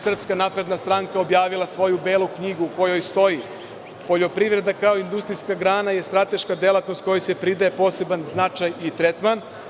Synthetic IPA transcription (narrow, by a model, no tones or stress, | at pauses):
sr̩pskanapɾe̞d̪nast̪ɾaŋkao̞bjaːʋilˠasʋo̞jube̞ːlˠukɲiɡuːko̞jo̞jst̪o̞ji | po̞ʎo̞pɾiʋɾe̞d̪akao̞ind̪ust̪ɾijskaɡɾaːnaje̞st̪ɾat̪e̞ʃkad̪e̞lat̪nost̪̚ko̞jojse̞pɾid̪aepo̞se̞banznat͡ʃajit̪ɾet̪man